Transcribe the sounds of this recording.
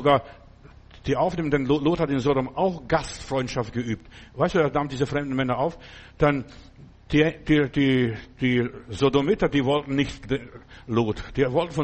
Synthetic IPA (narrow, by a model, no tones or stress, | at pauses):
ɡaːɐ | d̥iːʔaʊfneːməndənloloːthatɪnzodomʔaʊxɡ̥astfʁ̥ɔʏntʃaft̚ɡ̥əʔyːp̚tvaɪstd̥uːdɛɐnaːmdiːzəfʁ̥ɛmdn̩mɛnɐʔaʊfd̥an | d̥id̥idiːd̥iːzodomɪtɐdiːvɔltn̩nɪçteloːtd̥iːvɔltn̩fɔ